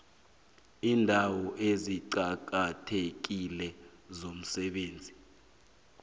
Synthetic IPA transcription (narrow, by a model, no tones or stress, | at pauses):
iːndʱawɔʔeziǀak̬atʰek̬ilɛ | zom̩sɛɓeːnd͡zʱi